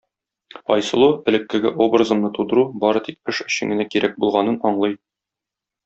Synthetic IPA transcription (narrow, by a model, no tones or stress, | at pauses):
ɒjsɤ̆lˠuɘ̆lɘ̆kːɘ̆ɡɘʔobrəzɤ̆mnɤt̪ud̪ɤ̆ɾubɒɾɤt̪ik̚ɘʃɘ̆ɕɘ̆ŋɡɘ̆nækiɾæk̚bulˠʁɑnɤnɒɴlˠɤj